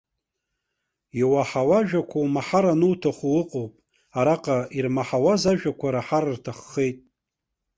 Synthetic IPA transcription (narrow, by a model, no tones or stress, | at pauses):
iwaħawaʒᶣakʷʰawmaħaɾanɨwtʰaχuwɨqʼowpʼ | aɾaqʼairmaħawazaʒᶣakʷaɾaħarrtʰaχːejtʼ